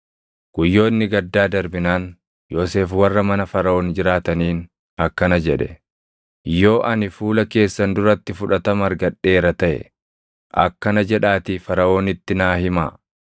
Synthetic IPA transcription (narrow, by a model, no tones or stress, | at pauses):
ɡ̥ʊjːo̞ːnːɪɡɐd̪ːaːd̪ɐɾbɪnaːn | joːse̞ːfwɐrːɐmɐnɐfɐɾɐo̞ːnd͡ʒɪɾaːt̪ɐniːn | ɐkːɐnɐd͡ʒɛᶑɛ̰ | jo̞ːʔɐnɪfuːlɐke̞ːsːɐnd̪ʊɾɐt̪ːɪfʊᶑɐt̪ɐmɐɾɡɐᶑe̞ːɾɐt̪ɐʔɛ̰ | ʔɐ̰kːɐnɐd͡ʒɛᶑaːt̪iːfɐɾɐʔo̞ːnɪt̪ːɪnaːhɪma̰ː